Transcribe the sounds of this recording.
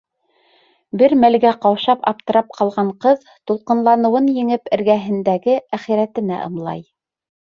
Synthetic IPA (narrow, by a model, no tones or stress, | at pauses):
bɘɾmælɡæqɑwʃɑpɑ̰p̚t̪ɤ̆ɾɑp̚qʰɑlˠʁɑɴqɤð | t̪ulˠqɤ̆nlˠɑnɤ̆wɤnjɘ̆ŋɘpɘ̆ɾɡæɦɘ̆nd̪æɡɘæχiɾæt̪ɘ̆næ̰ʔɤ̰̆mlˠɑ̰j